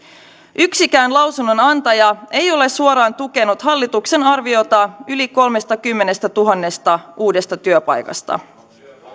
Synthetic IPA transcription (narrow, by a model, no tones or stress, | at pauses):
yksikæːnlɑwsunːo̞nɑnt̪ɑjɑe̞jo̞le̞suoɾɑːnt̪uke̞nut̪ɦɑlːit̪ukse̞nɑrʋio̞t̪ɑyliko̞lme̞st̪ɑkymːe̞ne̞st̪æt̪uɦɑnːe̞st̪ɑuːde̞st̪ɑt̪yøpɑ̰jkɑ̰st̪ɑ̰